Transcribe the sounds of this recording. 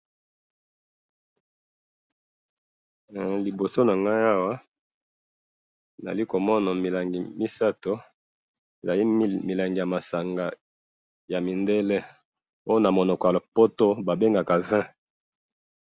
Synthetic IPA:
li˨bo˨so˦na˨ŋɡa˦a˦wa˦ | na̰˨li˦ko˨mɔ˦na˨mi˨la˨ŋɡi˨mi˦sa˦to˦ | e˨za˨li˦mi˨la˨ŋɡi˨ja˨ma˨sa˨ŋɡa˨ | ja˨mi˨nde˦le˦ | o˦jo˦na˨mo˨nɔ˨kɔ˨ja˨lo˨po˦to˦ba˨be˦ŋɡa˨ka˨vɛ̃˦

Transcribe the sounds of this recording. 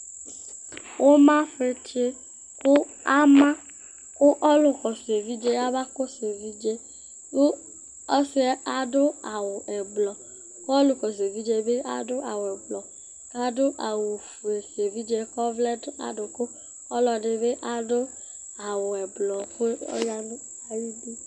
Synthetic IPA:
wo˦mã˦ɸe˦ti˦e˦ | kʊ˦ | a˦mã˦ | kʊ˦ʔɔ˦lʊ˨kɔ˨se˨vi˦d͡ʒe˦a˦ba˦ko˦se˨vi˦d͡ʒe˦ | bo˦ | ɔ˦se˦a˨ɖo˦a˨wo˨ʔɛ˨blɔ˨ | ko˦ɔ˦lʊ˨kɔ˨s̬e˨vi˦d͡ʒe˦be˦a̰˦dʊ˦ʔa˨wɛ˨blɔ˨ | ka˨do˦ʔa˨wo˨fu˨e˨se˨vi˦d͡ʒe˦kɔ˦vlɛ˦da̰˨do˨ko˦ | ɔ˦lɔ˨ɖe˨be˦ʔa˨do˦ | a˨wʊ˨ɛ˨blɔ˨ɸɔ̰˦ja˦nʊ̃˦ | a˨ji˦de˦

